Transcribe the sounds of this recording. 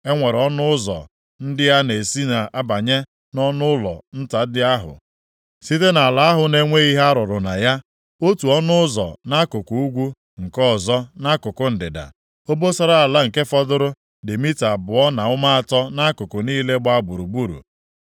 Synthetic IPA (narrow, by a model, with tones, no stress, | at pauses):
e˦ŋʷe˨ɾɔ˦nʊ˦ʊ˦zɔ̰˨ | n̩˦dɪ˦ja˦ne˨si˦na˨a˦ba˨ɲe˦ | nɔ˦nʊ˦ʊ˦lɔ̰˨n̩˦ta˨˦dɪ˦a˦ɦʊ̰˨ | si˦te˦na˨a˨la˦a˦ɦʊ˨ne˦ŋʷe˦i˦ɦe˦a˦ɾɔ˨ɾʊ˨na˨ja˦ | o˦tu˨ɔ˦nʊ˦ʊ˦zɔ̰˨na˦kʊ˨ku˨u˦ɡʷu˦ | ŋ̩˨kɔ˦˨zɔ˦na˦kʊ˨kʊ˦n̩˨dɪ˨da̰˨ | o˦bo˦sɔ˦ɾa˦a˨la˦ŋ̩˨ke˦fɔ˦dʊ˦ɾʊ˦ | dɪ˨mi˦ta˨bʊ˨ɔ˦na˨ʊ˦ma˦a˨tɔ˦na˦kʊ˨kʊ˨niː˦le˦ɡ͡ba˦ɡ͡bu˨ɾu˨ɡ͡bu˦ɾṵ˨